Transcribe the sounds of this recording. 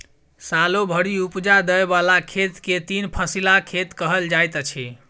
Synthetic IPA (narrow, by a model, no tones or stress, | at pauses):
salobʱəɽiupd͡ʒad̪əebalakʰet̪ket̪inpʰəsilakʰet̪kəɦəld͡ʒajt̪ət͡ʃʰi